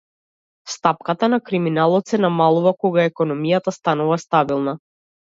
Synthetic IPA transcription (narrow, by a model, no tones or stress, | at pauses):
st̪ap̚kat̪anakɾiminalˠɔt̪sɛnamalˠuvakɔɡaɛkɔnɔmijat̪ast̪anuvast̪abilˠna